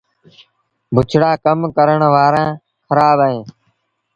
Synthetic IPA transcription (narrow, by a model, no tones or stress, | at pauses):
bʱʊt͡ʃʰɽaːkəmkəɾəɳʋaːɾãː | xəɾaːbaɦẽː